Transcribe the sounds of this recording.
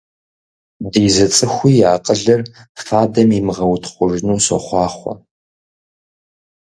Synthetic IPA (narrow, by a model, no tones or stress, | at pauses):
diːzɐt͡sʼɨxʷiːjaːqʼəɮɐrfaːdɐmimɨʁɐwtʰχʷʊʒnuːsɔ̰χʷɑːχʷɔ̰